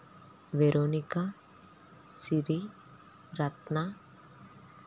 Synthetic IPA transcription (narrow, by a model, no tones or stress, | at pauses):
ʋeɾoːnika | siɾi | ɾɐt̪na